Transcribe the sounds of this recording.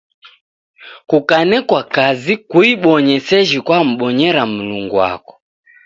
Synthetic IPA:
kukanɛkwakazikuiɓɔɲɛsɛʒikwam̩ɓɔɲɛɾam̩luŋɡuwa̰kɔ̥

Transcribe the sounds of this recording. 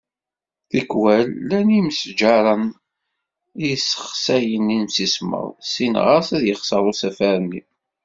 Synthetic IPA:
θikwælːæniməsd͡ʒɑɾˤɑn | isə̥χχsæjəninmsismə̰ɾˤsinʁəsæðjəχsəɾˤʊsæfæɾənːḭ

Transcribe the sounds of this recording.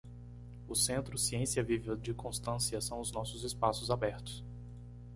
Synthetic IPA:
ʊsẽnt̪ɾʊsiẽsiɐvivɐd͡ʒɪkõst̪ɐ̃siɐsɐ̃w̃ʊznɔsʊzɪspasʊzabɛɾt̪ʊ̥s

